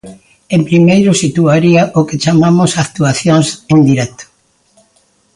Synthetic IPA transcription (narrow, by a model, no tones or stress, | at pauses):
ẽmpɾimejɾʊsit̪uaɾiaʔʊket͡ʃamamʊsakt̪uaθjoŋsend̪iɾɛt̪o̥